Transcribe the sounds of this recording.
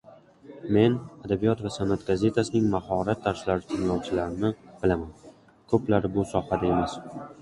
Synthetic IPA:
me̞nad̪abijɒt̪vasanːat̪ɡaze̞t̪ʰasɪnɪŋmaɦɒɾat̪ʰːaɾslaɾɪt̪ʰɪŋlˠɒwt͡ʃʰɪlaɾɪnɪb̥ɪlaman | kʰɵplaɾbʊsɒhad̪ae̞mas

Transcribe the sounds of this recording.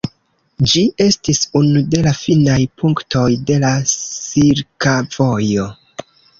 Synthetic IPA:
d͡ʒiʔe̞stisunude̞lafinajpʰuŋktʰo̞jde̞lasiɾkav̥o̞jo̞

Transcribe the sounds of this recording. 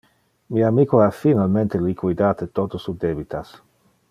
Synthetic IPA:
miamikoafinalment̪elikwid̪aːt̪et̪ot̪osud̪ebit̪as

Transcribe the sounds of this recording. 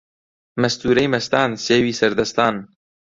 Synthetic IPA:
mɛst̪uːɾɛjmɛst̪aːnseːwiːsɛɾd̪ɛst̪ɑːn

